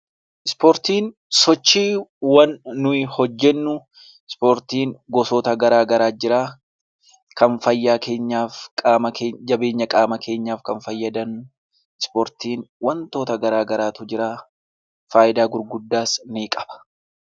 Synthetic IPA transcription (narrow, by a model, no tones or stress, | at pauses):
ʔɪspoːɾt̪iːn | sɔt͡ʃːiːwɐnːʊɪhɔd͡ʒːɛnːʊ | ɪspoːɾt̪iːŋɡɔsoːt̪ɐɡɐɾaːɡɐɾaːd͡ʒɪɾaː | kɐnfɐjːaːkʰeːɲːaːfkʼaːmɐked͡ʒɐbe̞ːɲːɐkʼaːmɐkʰe̞ːɲːaːfkɐnfɐjːɐd̪ɐn | ɪspoːɾt̪iːnwɐnt̪o̞ːt̪ɐɡɐɾaːɡɐɾaːt̪ʊd͡ʒɪɾaː | faːʔɪd̪aːɡʊɾɡʊd̪ːaːsniːkʼɐ̥b̥ɐ̥